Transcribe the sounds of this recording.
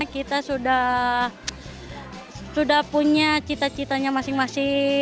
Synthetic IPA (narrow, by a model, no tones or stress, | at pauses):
akit̪asudah | sudahpuɲat͡ʃit̪at͡ʃit̪aɲamasɪŋmasɪ